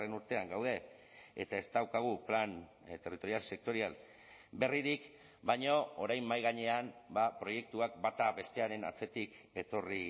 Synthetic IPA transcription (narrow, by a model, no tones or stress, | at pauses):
e̞nuɾt̪e̞aŋɡawðe̞ | et̪ae̞st̪awkaɣ̞uplan | t̪e̞rit̪o̞ɾialse̞k̚t̪o̞ɾial | be̞riɾik | bajɲo̞oɾajmːajɣ̞aɲe̞anbapɾo̞je̞k̚t̪uak̚bat̪aβe̞st̪e̞aɾe̞na̰t͡se̞t̪ik | e̞t̪o̞ri